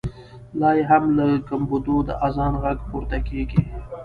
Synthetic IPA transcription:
lɑjɦamlakambud̪od̪ə̰ʔazɑnɣaɡpuɾt̪akeɡi

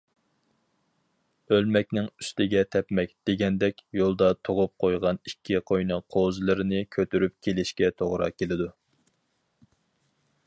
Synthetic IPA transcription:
ølmɛkʲnɪŋyst̪ɪɡʲɛt̪ʰɛpmɛk̚ʲd̪̥eɡʲɛnd̪ɛkʲjolˠd̪ɑt̪ʰoʁʊp̚qʰojʁɑnikʲʰːiqʰojnɨqʰozlˠɨɾɪnɨkʲʰøt̪ʰyɾypkʲʰelɪʃkʲɛt̪ʰoʁɾɑ̰kʲelɪd̪u

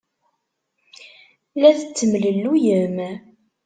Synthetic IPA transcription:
læðət͡sːəmləlːujəm

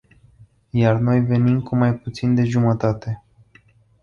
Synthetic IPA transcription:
jarno̞jve̞nimkumajput̪sind̪e̞ʒumət̪at̪e̞

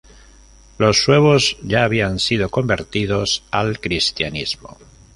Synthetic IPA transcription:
lo̞sːwe̞β̞o̞zʝaːβ̞iansið̞o̞ko̞mbe̞ɾt̪iðo̞salkɾist̪janizmo̞̰

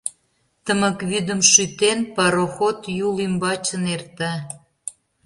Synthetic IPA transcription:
t̪əmə̆kβyd̪ə̆mʃyt̪enpɑɾoxot̪julimbɑt͡ɕənert̪ɑ

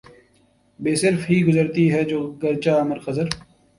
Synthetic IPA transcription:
beːsɪɾfɦiːɡʊzəɾt̪iɦɛːd͡ʒoːɡɐɾt͡ʃaːɐməɾqɐzəɾ

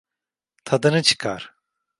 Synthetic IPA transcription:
t̪ʰad̪ɯnɯt͡ʃʰɯ̥kʰaɾ̥

